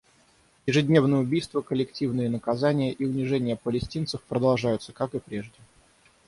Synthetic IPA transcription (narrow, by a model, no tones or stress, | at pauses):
jɪʐɨdʲnʲe̞vnəjəʊbʲijst̪vəkəlʲɪktʲivnɨjənəkɐzanʲɪjəʔiʊnʲɪʐɛnʲɪjəpəlʲɪsʲtʲint̪səfpɾəd̪ɐlˠʐajʊt̪səkakɨpɾʲe̞ʐdʲɪ